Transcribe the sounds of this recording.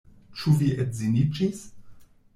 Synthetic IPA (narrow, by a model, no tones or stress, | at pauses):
t͡ʃuviɛtzinit͡ʃis